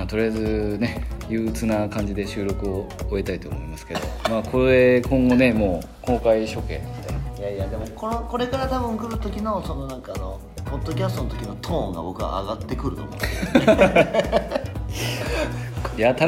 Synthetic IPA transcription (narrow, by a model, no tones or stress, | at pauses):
at̪o̞ɾʲiazɨne̞jɯːt͡sɨnakãɲ̟d͡ʑid̪e̞ɕɨːɾo̞kɯ̟oːe̞t̪ait̪o̞ːmoimasɨ̥ke̞d̪o̞̰maːkʰoe̞kõ̞ŋɡo̞ne̞mo̞ː | ko̞ːkaiɕo̞kẽ̞̰nd̪eijaijad̪e̞mo̞konokoɾe̞kaɾat̪abɯ̟̃ŋkɯ̟ɾɯ̟t̪o̞kʲino̞so̞no̞nãŋkaːno̞ | po̞d̪ːo̞k̬ʲasɨ̥t̪o̞not̪o̞kʲino̞t̪ʰõːŋɡa̰bo̞kɯ̟a̰a̰ɡat̪ːe̞kɯ̟ɾɯ̟t̪o̰mo̰̥ | jat̪a